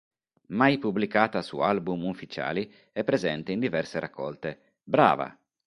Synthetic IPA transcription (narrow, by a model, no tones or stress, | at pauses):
majpublikaːt̪asṵalbumufit͡ʃa̰ːli | ɛpːɾezɛnt̪eind̪ivɛrseɾakʰːɔ̰lt̪e | bɾa̰ːva̰